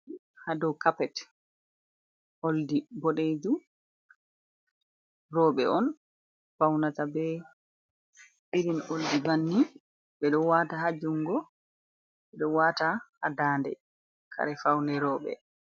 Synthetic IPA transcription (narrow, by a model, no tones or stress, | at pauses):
hadɔwkapɛt | ʔoldibɔɗed͡ʒu | rɔːɓɛɔn | fawnatabɛ | ʔiɾinoldibanːi | bɛɗɔwataɦad͡ʒuŋɡɔ | ɓɛɗɔwatahadaːndɛ̰ | kʰa̰ɾɛfawnɛɾɔːɓɛ̰